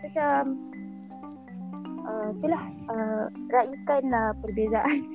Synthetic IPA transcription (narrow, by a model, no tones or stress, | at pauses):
bat͡ʃam | ʔəit̪ulahəraʔikanəpərbezaʔan